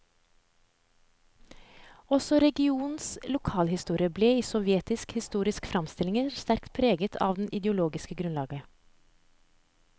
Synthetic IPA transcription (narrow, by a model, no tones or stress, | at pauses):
ɔsɔɾɛɡɪuːnslʊkʰɑːlhɪst̪uːɾɪəbleːiːsɔʋjeːt̪ɪskhɪst̪uːɾɪskfɾɑmst̪ɪlɪŋəst̪æɾkt̪̚pʰɾeːɡət̪ʰɑ̰ːʋd̪n̩ʔɪd̪əʊloːɡɪskəɡɾʉnlɑːɡə